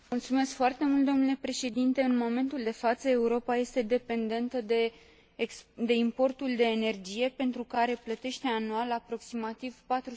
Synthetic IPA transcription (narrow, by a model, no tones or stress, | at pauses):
mult̪sume̞skfoart̪e̞mult̪̚d̪o̞mnule̞pɾe̞ʃe̞d̪int̪e̞ɨnmo̞me̞nt̪uld̪e̞fat̪səe̞uɾo̞paje̞st̪e̞d̪e̞pe̞nd̪e̞nt̪əd̪e | d̪e̞impo̞rt̪uld̪e̞ːne̞rd͡ʒije̞pe̞nt̪ɾukaɾe̞plət̪e̞ʃt̪e̞anualapɾo̞ksimat̪ivpat̪ɾu